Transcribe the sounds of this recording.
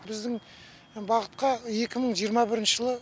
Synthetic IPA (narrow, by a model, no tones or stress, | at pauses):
bɪzd̪ɪŋ | bɑʁət̪̚qɑje̞kʲɪməɴʒijəɾmɑbɪɾɪnʃəʒəlˠə